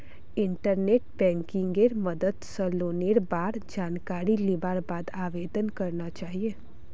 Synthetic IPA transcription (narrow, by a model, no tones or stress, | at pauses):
ɪ̃ɳʈəɾneːʈ̚bɛ̃ːŋkɪ̃ŋɡeɾmɐd̪əd̪səloːneːɽbaːɾd͡ʒaːnkaːɾilebaːɾbaːd̪aːʋeːd̪ənkɐɾnat͡ʃaːɦieː